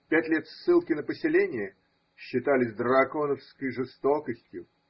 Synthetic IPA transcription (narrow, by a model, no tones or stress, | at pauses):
pʲætʲlʲet̪sːɨlˠkʲɪnəpəsʲɪlʲenʲɪjə | ɕːɪt̪alʲɪzʲd̪ɾɐko̞nəfskəjʐɨst̪okəsʲtʲjʊ